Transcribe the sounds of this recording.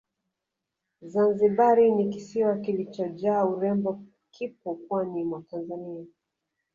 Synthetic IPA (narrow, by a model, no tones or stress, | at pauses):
zanziɓaɾinikisiwakilit͡ʃɔd͡ʒaːuɾɛmbɔ | kʰip̚ukwanimwatanzania